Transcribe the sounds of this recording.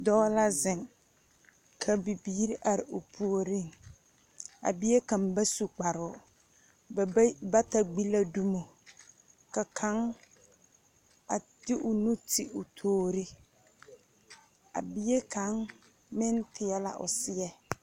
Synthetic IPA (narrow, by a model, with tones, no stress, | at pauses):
dɔː˦la˦zɪ˨ŋ | kʰa˨bi˨biː˦ɾi˦ʔa˨ɾɪ˨ʊ˨pʰu˦o˦ɾi˦˨ŋ | a̰˨bɪ˦e˦ka˨m˦ba˦su˨k͡pa˨ɾʊ˨˦ | ba˦ta˨ɡ͡bi˦la˦du˦mo˨ | ka˨kʰa˨˦ŋ | a˨ | d̥ɪ˦ʔʊ˨nu˦tɪ˨ʔʊ˨tʰoː˦ɾɪ˦ | a̰˨bɪ˦je˦kʰa˨˦ŋ | mɪ˦ntɪ˨ɛ˦la̰˦ʔʊ̰˨sɪ˦ɛ˦